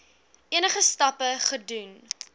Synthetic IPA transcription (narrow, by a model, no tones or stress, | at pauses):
iənəχəstɐpəχədun